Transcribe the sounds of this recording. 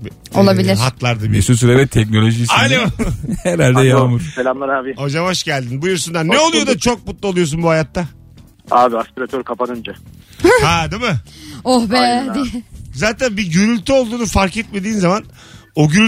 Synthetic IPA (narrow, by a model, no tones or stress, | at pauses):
olˠabilʲiɾɦat̪ʰlˠaɾd̪ɯbisusyɾɛvɛt̪ʰɛc̚no̞lʲo̞ʒisajneohɛɾalʲd̪ɛjamɯɾselʲamlˠaɾaːbiod͡ʒamaʃɟælʲd̪inbujyɾsund̪anːeo̞lˠujo̞d̪at͡ʃʰo̞k̚mut̪lˠuo̞lˠujo̞s̬unbuhajat̪ːa | aːbiaspiɾat̪ʰøɾkʰapanɯnd͡ʒa | had̪imɯohbɛd̪zaːt̪ʰænbiɟyɾylʲt̪ʰyo̞lˠd̪uːnufaɾkɛt̪̚me̞d̪iːnzaman | oɟyɾy